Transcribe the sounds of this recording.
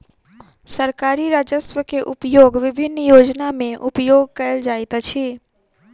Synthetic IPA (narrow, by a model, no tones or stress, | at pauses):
səɾkaːɾiɾaːd͡ʒəsʋəkeʔʊpjoːɡʋɪbʱɪnːjoːd͡ʒnamẽʔʊpjoːɡ̚kɐəld͡ʒaːɪt̪t͡ʃʰiː